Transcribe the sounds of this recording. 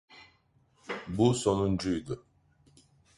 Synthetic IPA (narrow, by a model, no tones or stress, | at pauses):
busonund͡ʒujd̪ʊ